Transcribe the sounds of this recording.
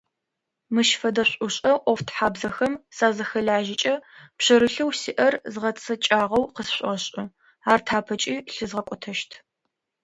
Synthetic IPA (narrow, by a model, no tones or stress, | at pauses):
mɨʃfɐdɐɕʷʼʊɕʼɐʔʷɔftʰħaːbzɐxɐmsaːzɐxɐɮaːʒɪt͡ʃʼɐpɕɐɾɨɬɐwsiːʔɐrzʁɐt͡sʼʰɐt͡ʃʼaːʁɐwqəsɕʷʼɐɕʼɪ | aːrtʰaːpʰɐt͡ʃʼiːɬɨzʁɐkʷʼɔtʰɐʃtʰ